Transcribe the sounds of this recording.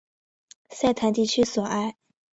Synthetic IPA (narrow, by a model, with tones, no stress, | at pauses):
sa˥˩ɪt̪ʰa˧˥nt̪i˥˩t͡ɕʰy˥swɔ˨˩ʔa˥˩ɪ